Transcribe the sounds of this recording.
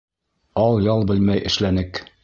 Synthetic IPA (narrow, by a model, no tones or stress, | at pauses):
ɒlˠjɒlˠbɘlmæjɘ̆ʃlænɘk